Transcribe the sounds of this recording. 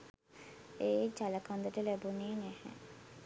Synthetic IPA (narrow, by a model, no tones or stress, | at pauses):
eːd͡ʒalakʰɔnd̪əʈəlɛboniːnɛhɛ̰̃